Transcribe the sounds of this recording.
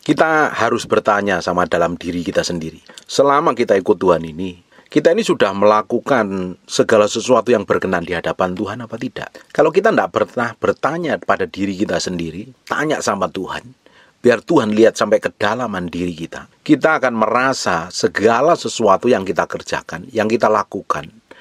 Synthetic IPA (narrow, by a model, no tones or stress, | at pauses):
kit̪ahaɾʊsb̥ərt̪aɲasamadalamdiɾikit̪asəndiɾisəlamakit̪aikʊt̪ːuɦanini | kit̪ainisudahməlakukansəɡalasəsuat̪ujaŋbərkənandiɦadapant̪uɦanapat̪id̥a̰ʔkalokit̪andaʔb̥ərt̪ahb̥ərt̪aɲapadadiɾikit̪asəndiɾit̪aɲa̰ʔsamat̪uɦa̰n | b̥iart̪uɦanliɦat̪̚sampɛkəd̥alamandiɾikit̪akit̪aːkanmərasasəɡalasəsuat̪ujaŋkit̪akərd͡ʒa̰kanjaŋkit̪alakukan